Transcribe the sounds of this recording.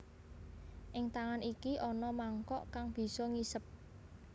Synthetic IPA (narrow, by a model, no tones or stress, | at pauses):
ʔɪŋt̪aŋanikiʔɔnɔmaŋkɔʔkaŋb̥i̤sɔŋisəp̚